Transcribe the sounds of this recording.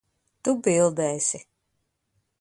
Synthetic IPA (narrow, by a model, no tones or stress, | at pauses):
t̪ubilˠd̪ɛːsʲi